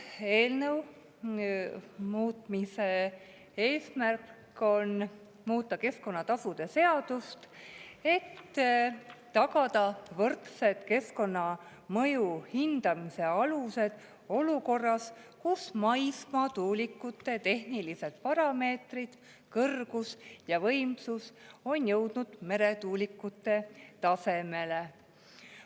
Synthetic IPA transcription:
e̞ːlnəw | muːt̪mise̞ | e̞ːsmærkkː | o̞n | muːt̪ːˑɑke̞sko̞nːɑt̪ɑsud̪̥e̞se̞ɑd̪̥ust̪e̞t̪ː | ɑɡɑd̪ɑvɤrt̪se̞t̪ke̞sko̞nːɑ | mɤ̞juhind̪̥ɑmise̞ɑluse̞d̪̥ | o̞luko̞rːɑskusmɑjsmɑt̪uːlʲikːˑut̪ːe̞t̪e̞ɦnilise̞t̪̚pɑɾɑme̞ːt̪rid̪̥ | kɤrɡ̥usjɑvɤ̞jmsuso̞njɤwd̪̥nud̪̥me̞ɾe̞t̪uːlikːˑut̪ːe̞t̪ɑse̞me̞le̞

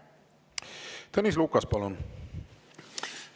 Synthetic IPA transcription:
t̪ənislukːɑspɑlon

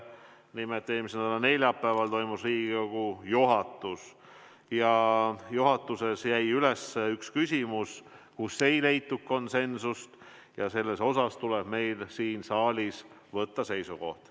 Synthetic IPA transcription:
nimet̪ːeːmisend̪ɑlɑne̞lʲjɑpːæːvɑlt̪o̞jmusriːɡ̥ikoɡ̥ujuɦɑt̪ːˑus | jɑjuɦɑt̪ˑːuse̞sjæjyle̞sːeykskysʲimuskusːe̞jle̞jt̪ːukko̞nse̞nsust̪ | jɑse̞lːe̞so̞sɑst̪uleb̥me̞jlsiːnsɑːlʲis | vɤt̪ːɑse̞jsuko̞̰ht̪

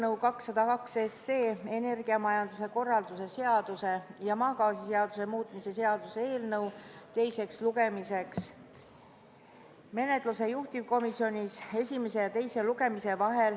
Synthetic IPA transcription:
nɤwkɑksːɑd̪̥ɑkɑksesːe̞ːe̞ne̞rɡ̥iɑmɑjɑnd̪us̬e̞ko̞rːɑld̪̥use̞se̞ɑd̪̥use̞jɑmɑːkɑːsise̞ɑd̪̥us̬e̞muːt̪ˑmise̞se̞ɑd̪̥useeːlnɤwt̪e̞jse̞ksluɡ̥e̞mise̞ks | me̞ne̞t̪ˑluse̞juht̪ivko̞misːio̞nʲise̞sʲime̞se̞jɑt̪e̞jse̞luɡ̥e̞mise̞vɑɦe̞l

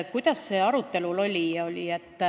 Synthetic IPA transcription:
kujd̪̥ɑsːe̞ːɑɾut̪ːe̞lulo̞lʲiolʲiet̪ˑː

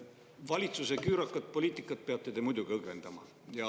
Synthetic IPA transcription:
vɑlʲit̪susekyːɾɑkːˑɑt̪̚po̞lʲiːt̪ːˑikːˑɑt̪̚peɑb̥̚t̪et̪emujd̪̥uɡ̥iɤɡve̞nd̪̥ɑmɑ | jɑ

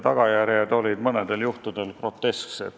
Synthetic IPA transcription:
t̪ɑɡ̥ɑjæɾjed̪o̞lʲid̪̥mɤne̞d̪̥e̞ljuht̪ud̪̥e̞lkro̞t̪ːe̞sksḛd̪

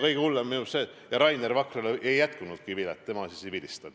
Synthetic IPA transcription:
kɤjɡ̥eulːemːiuseː | jɑɾɑjnervɑkreleʔejːæt̪kunud̪̥̚kipilet̪ːe̞mɑsisibid̪ʲist̪ɑd̪̥

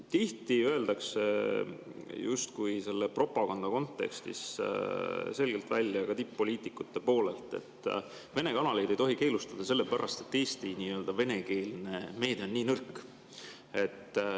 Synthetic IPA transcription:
t̪iht̪iø̞e̞ld̪̥ɑkse | just̪kujse̞lːe̞pro̞pɑɡ̥ɑnd̪̥ɑko̞nt̪ːe̞̰kst̪ḭs | se̞lɡ̥elt̪vælʲjɑkɑt̪ipːo̞lʲiːt̪ˑikːˑut̪ːe̞po̞ːle̞lt̪ˑe̞̰t̪ːˑ | ve̞ne̞kɑnɑlejd̪̥e̞jt̪o̞ɦike̞ːlust̪ɑd̪̥ɑs̬e̞lːe̞pæɾʔɑ̰st̪e̞t̪ːe̞ːst̪iniːø̞ld̪ɑve̞ne̞ke̞ːlne̞me̞ːd̪̥eo̞nːiːnɤrkː | e̞t̪ːˑ

